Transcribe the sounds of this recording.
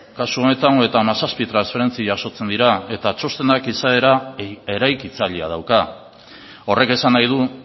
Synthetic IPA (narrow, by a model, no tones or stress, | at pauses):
kasuo̞ne̞t̪aŋoe̞t̪amasaspit̪ɾansfe̞ɾe̞nt͡siʝaso̞t͡se̞nd̪iɾae̞t̪at͡ʃo̞st̪e̞nakisae̞ɾae̞ɾajkit͡saʎia̰ð̞awka | o̞re̞ke̞sanːajðu